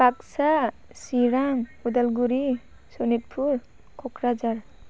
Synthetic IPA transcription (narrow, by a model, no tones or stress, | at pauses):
baksa | siɾaŋud̪alɡuɾi | sɔnit̚pʰuɾ | kʰɔkʰɾad͡ʒaɾ